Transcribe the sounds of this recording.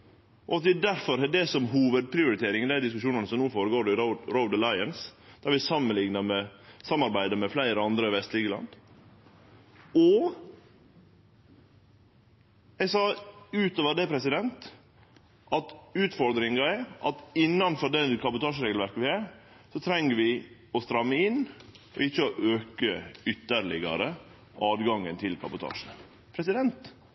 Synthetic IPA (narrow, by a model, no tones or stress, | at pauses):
ʔɔɑt̪̚d̪ɛd̪æɾfɔɾɛd̪ɛsɔmɦuːʋəd̪̚pʰɾɪʊɾɪt̪ʰeːɾɪŋd̪æɪd̪ɪskʉʃuːnɑnəsɔmnuːfoːɾəɡoːɾɖɪɾɔʊd̪əlɑɪənsd̪̥æːɾʋɪsɑmːənlɪŋnɑmɛsɑmːɑɾbæɪd̪əmɛflæɪɾəɑnd̪ɾəɪʋɛst̪liːkəlɑ̰nd̪ | ɔ | ɛɡsɑːʉːt̪oːʋəɖɛpʰɾɛsɪd̪ɛnt̪ | ʔɑt̪ʉːt̪fɔɾd̪ɾɪŋɑɛʔɑ̰t̪ɪnːɑnfɔɖɛkʰɑbʊt̪ʰɑːʂəɾeːɡlʋæɾkəʋɪæɾ | sɔt̪ʰɾɛŋəɾʋɪ | ɔst̪ɾɑmːəɪnː | ɔ̰ɪçːəɔʔøːkəʏt̪ːəɾɭɪɡɑ̰ɾə | ʔɑːd̪ɡɑŋənt̪ʰɪlkʰɑbʊt̪ʰɑ̰ːʂə | pʰɾɛsɪd̪ɛnt̪